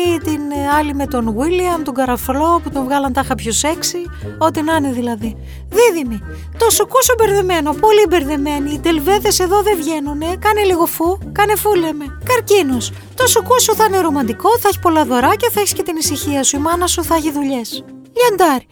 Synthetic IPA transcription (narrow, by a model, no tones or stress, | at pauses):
t̪inɐlime̞t̪o̞nɣwiliɐmt̪oɡɐɾɐflo̞put̪onvɣɐlɐnt̪ɐxɐpçose̞ksi | o̞t̪inɐneðilɐði | ðiðimi | t̪o̞sukusobe̞ɾðeme̞no̞po̞libe̞ɾðeme̞niːd̪e̞lve̞ðe̞se̞ðo̞ðe̞vʝe̞nune̞kɐneliɣo̞fukɐne̞fulemekɐɾcinos | t̪o̞sukosuθɐineɾo̞mɐnd̪iko̞θɐeçi̥po̞lɐðo̞ɾɐce̞θɐeçi̥sce̞t̪inisiçiɐsuimɐnɐsuθɐçiðuʎe̞s | ʎend̪ɐɾi